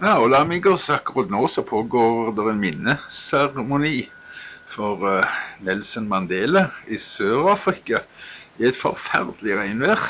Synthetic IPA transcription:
jɑːɔlɑmɪɡəsɑkʊɾɑd̪noːsɔpʰoːɡoːd̪ɛʁɛnmɪnːəsæʁmʊniː | fɔʁnɛlsənmɑnd̪eːləɪsøːɾɑːfɾɪkɑ | ɪæɪt̪fɔ̰ɾfæ̰ʁd̪əlɪʁæɪnʋæːʁ

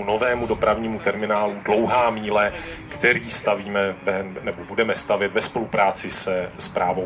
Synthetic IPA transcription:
uno̞vɛːmudo̞pɾavɲiːmut̪ɛɾmɪnaːludlo̞wɦaːmiːlɛkt̪ɛɾiːst̪aviːmɛvɛnɛbobudɛmɛst̪avjɛt̪vɛspo̞lupɾaːt͡sɪsɛspɾʔaːvo

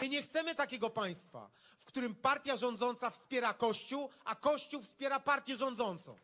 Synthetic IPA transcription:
mɘɲɛxt̪sɛmɘt̪akʲɛɡɔpaj̃st̪fa̰ | fkt̪uɾɘmpaɾt̪ʲjaʐɔnd̪zɔnt̪safspʲjɛɾakɔɕt͡ɕuwakɔɕt͡ɕuwfspʲjɛɾapaɾt̪ʲjɛʐɔ̃nd̪zɔnt̪sɔ̰̃w̃

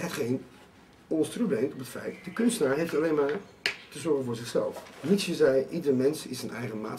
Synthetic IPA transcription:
ɦətχejn | ɔnsproblejmtɔpətfɛ̰jtdəkʏnstənaːɹɦejftalejnmaːɹ | təzɔɹχənvʊːɹzɪχsɛ̰lˠfnitsjəzɛjʔidərmɛnsɪsənɛ̰jχəma̰ːt

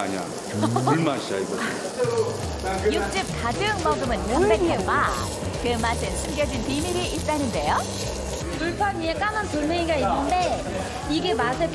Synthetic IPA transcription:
aɲa̰ | uɭmaɕ͈a̰iɡo | juk̚t͡ɕ͈ip̚kadɯŋmʌɡɯmɯnmobekʰɯma | kɯmasʰɯt͡ɕʰimɡjʌd͡ʑinpimiɾiit̚t͈anɯnde̞jo | puɭpʰaɲiek͈amantoɭmeŋiɡainːɯnde̞ | iɡe̞masʰe

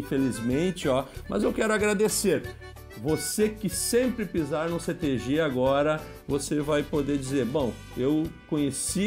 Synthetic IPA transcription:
felizmẽt͡ʃɪɔmɐ̰zewkɛɾʊaɡɾad̪eseɾ | vosekɪsẽmpɾɪpizaɾnũset̪eʒiaɡɔɾɐ | vosevajpod̪ed͡ʒizeɾbõw̃ | ewkõɲesi

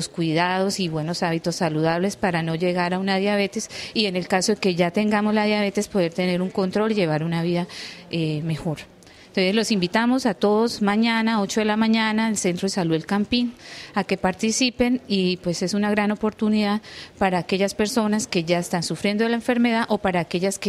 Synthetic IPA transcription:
loskwiðað̞o̞siβwe̞no̞saβit̪o̞sːaluðaβle̞spaɾano̞ʝe̞ɣaɾaunaðjaβe̞t̪e̞sie̞ne̞lkaso̞ðeke̞ʝat̪e̞ŋɡamozlaðjaβ̞e̞t̪e̞spo̞ðe̞ɾt̪e̞ne̞ɾuŋko̞nt̪ɾo̞liʝe̞β̞aɾunaβiðaeme̞xo̞ɾ | nt̪o̞nse̞zlo̞simbit̪amo̞sat̪o̞ðo̞zmaɲanao̞t͡ʃoðe̞lamãɲanaelse̞nt̪ɾoesaluelkampinake̞paɾt̪isipe̞nipwe̞se̞sunaɣɾano̞po̞ɾt̪uniðaðpaɾaːke̞ʝaspe̞ɾso̞naske̞ʝaest̪ansufɾjend̪oelaeɱfeɾme̞ðaʔo̞paɾaːke̞ʝaske

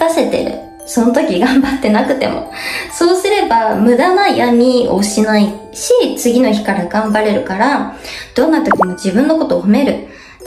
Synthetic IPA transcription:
ase̞t̪e̞̰ɾɯ̟̰ | so̞no̞t̪o̞kʲiɡãmbat̪ːe̞nakɯ̟t̪e̞̰mo̞̰so̞ːsɨɾe̞bamɯ̟d̪anajamʲio̞̰ɕinai | ɕit͡sɨɡʲino̞çi̥kaɾaɡãmbaɾe̞ɾɯ̟kaɾad̪̥õ̞nːat̪o̞kʲimo̞d͡ʑibɯ̟̃nːo̞ko̞t̪o̞ːhome̞ɾɯ̟

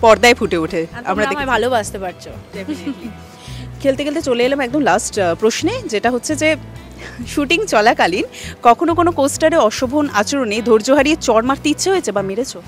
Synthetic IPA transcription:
pɔɾd̪aefʰuʈeuʈʰea̰mɾad̪ekbʱalobad͡ʑt̪epaɾt͡ɕʰoe | kʰelt̪eɡelt̪̬et͡ɕoleelemɛk̚d̪omlasʈpɾoʃned͡ʑeʈaɦotːɕʰed͡ʑe | ʃuʈiŋt͡ɕɔlakalinkɔkʰonokonokosʈaɾeɔʃobʱonat͡ɕoɾonejd̪ʱoɾd͡ʑoɦaɾiet͡ɕɔɾmaɾt̪itːɕʰeɦoet͡ɕʰebameɾet͡ɕʰo

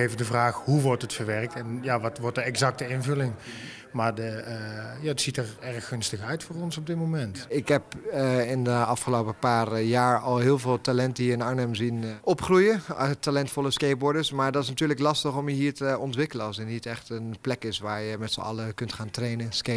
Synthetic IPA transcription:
eːvədəvraːxhuʋɔɹtətfəɹʋɛrək̚tɛnjaːʋɑtʋɔɹtdəɛkzɑk̚təɪnvɵlɪŋ | maːɹdəjaːətsitərɛrxːɵnstəxœɥtfʊːɹɔnsɔb̚dɪt̚momɛntɪkɦɛpɪndəɑfχəlowpəpaːrjaːɹɑlˠɦɪːlˠvɪːlˠtalɛntəiːɹɪnaɹnəmzinʔɔpχrujətalɛntfɔlˠəskejbɔɹdəɹsmaːɹdɑtɪs̬natyːləklɑstəχɔmjəɦiːɹtəɔntʋɪkələnɑlˠsətnitɛχtənplɛkɪsʋaːɹjəmɛtsə̰ɑ̰ləkɵntχaːntrejnənske

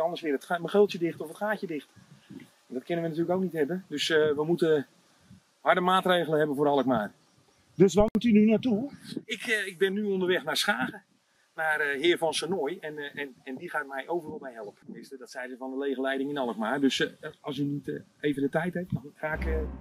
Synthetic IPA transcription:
ɔndərsʋɪəətməxɪlˠtjədɪxtɔfətχaːkjədɪxt | ɛndɔtkʰɪnənʋənat̬yːləkowknitɦɛbəndøsʋəmutə | hɑɹdəmaːtreːɣlənɦɛbənvoːɾɑlˠək̚maːr | døsʋamutynynatuɪkɪɡ̚bɪnːyondərʋɛxnarsχaːɣə | naːrɦɪːrvɔnsənojɛnɛnɛndiχaːt̚mɛjʔowvərɔlˠmɛjɦɛlˠəpəʋɪstədɔtsɛjzəvɔndəleːɣəlɛjdɪŋɪnɑlˠəkmaːrdøsɑ̰lˠsyniteːvəndətɛjtɦɛp̚faːkə

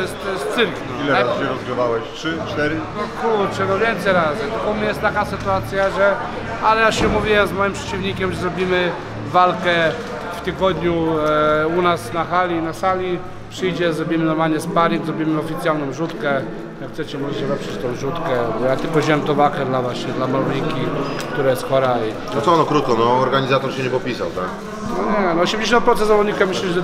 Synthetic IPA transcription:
ɔɛst̪t̪ːɔjɛst̪sɘɾknɔilɛɾasɕɛɾɔzɡɾɪvawɛɕʂɘt͡ʂt̪ɛɾnɔkuɾt͡ʂɛnɔvʲjɛnt̪sɛjɾazɨt̪ɔpɔmɲɛjɛst̪akasɘt̪uat̪sʲjaʐɛ | alɛjaɕɛmuvʲiwɛmzmɔjimpʂɛ̥t͡ɕivɲikʲɛmʐɛzɾɔbʲimɘ | valkɛ | ft̪ɘɡɔd̪ɲu | unasnaxalʲinasalʲi | pʂɘjd͡ʑɛzɾɔbʲimɘnɔɾmalɲɛspaɾʲiŋɡzɾɔbʲimɘɔfʲit̪sʲjalnɔ̃w̃ʐut̪kɛ | jakt̪sɛt͡ɕɛmɔʐɛʐɛvɛpʂɛt͡ɕt̪ɔ̃w̃ʐut̪kɛbɔjat̪ɘlkɔʑɛwɛmt̪ɔ̃vakɛd̪lavwaɕɲɛd̪lamalijkʲik̚t̪uɾajɛst̪xɔɾai | nɔt̪sɔɔnɔkɾut̪̚kɔnɔɔɾɡaɲizat̪ɔɾɕɛɲɛpɔpʲisa̰wt̪a̰k | nɔɲɛnɔɔɕɛmd͡ʑeɕ̬ɔ̃n̚pɾɔt̪sɛzavɔd̪ɲikamɘɕlʲɛɛ

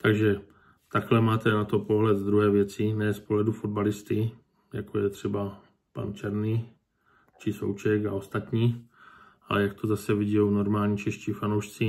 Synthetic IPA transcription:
t̪aɡʒɛ | t̪aklɛmaːt̪ɛnat̪o̞po̞ɦlɛt̪d̪ɾuɦɛːvjɛt͡sɪnɛːspoɦlɛdufod̪̚balɪst̪ɪ | ja̰kojɛt̪r̝̥ɛba | pa̰nt͡ʃɛɾni | t͡ʃɪso̰wt͡ʃɛka̰o̞st̪at̪ɲiː | ʔa̰lɛjakt̪ʰozasɛvɪɟɛjowno̞ɾmaːlɲit͡ʃɛʃciːfanowʃt͡sɪ

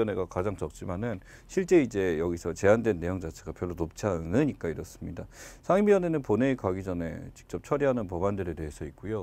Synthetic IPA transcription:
ʌne̞ɡakad͡ʑaŋt͡ɕʌk̚t͡ɕ͈imanɯn | ɕʰiɭt͡ɕ͈e̞id͡ʑe̞jʌɡisʰʌt͡ɕe̞andwe̞nːe̞joŋd͡ʑat͡ɕʰeɡapjʌɭːonop̚t͡ɕʰianɯɲik͈aiɾʌs͈ɯmɲidasʰaŋimijʌne̞nɯnpone̞ːkwaɡid͡ʑʌne̞̰t͡ɕi̥k̚t͡ɕ͈ʌp̚t͡ɕʰʌɾiɦanɯnpʌbandɯɾe̞te̞ɦesʰʌik̚k͈ujo

